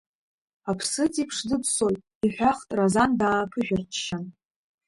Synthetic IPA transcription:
apʰsɨt͡sʼipʰʂdɨpʰsojtʼ | iħʷᶣaχtʼrazandaːpʰɨʒʲᶣart͡ʃʰʃan

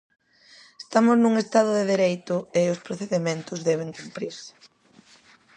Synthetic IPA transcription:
est̪amʊznuŋest̪aðʊðeðeɾejt̪ʊɪʊspɾoθeðemẽnt̪ʊzðɛβ̞eŋkumpɾiɾsɪ̥

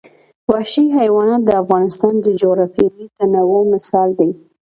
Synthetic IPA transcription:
waʃiɦajwɑnɑt̪̚d̪əafɣɑnɪst̪ɑnd̪əd͡ʒoɣɾɑfeɾit̪anawomɪsɑld̪ej

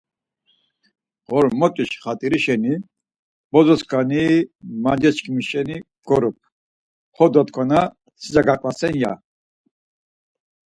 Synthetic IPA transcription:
ʁɔɾmɔt̪ʼiʃχat̪ʼiɾiʃɛni | b̥ɔzɔskʰʼanimand͡ʒɛt͡ʃkʰʼimiʃɛni | ɡ̥ɔɾɔp̚ʰ | hɔd̪ɔt̪kʰɔna | sʰizaɡakʼlasɛnja̰

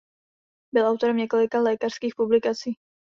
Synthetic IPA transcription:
bɪlʔawt̪o̞ɾɛmɲɛko̞lɪkalɛːkar̥skiːxpublɪkat͡siː

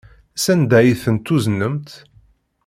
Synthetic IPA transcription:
sænd̪æjiθənt̪ːuznəmt̪

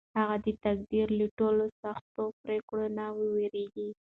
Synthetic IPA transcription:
haɣad̪ət̪ak̚d̪iɾləʈolosaxt̪opɾekɽonawəweɾeɡi

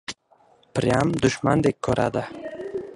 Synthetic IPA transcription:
pɾiamd̪ʊʃma̰nd̪ekʰːɔɾʔa̰d̪a

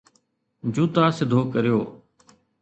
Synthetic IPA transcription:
d͡ʒuːt̪aːsɪd̪ʱoːkəɾɪjoː

